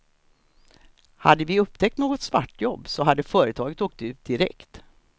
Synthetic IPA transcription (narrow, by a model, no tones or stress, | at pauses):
ha̰d̪ːəvɪɵp̚ːt̪ʰɛk̚t̪noːɡɔt̪sva̰ʈːjɔbːsɔɦad̪ːəfœːɾət̪ʰɑːɡət̪oːk̚t̪ʉ̟ːt̪̚d̪ɪɾɛ̰kt̪